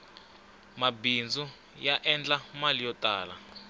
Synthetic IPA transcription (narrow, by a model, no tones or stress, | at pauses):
mabind͡zu | jaʔɛnd͡ɮamalijɔtʼaːla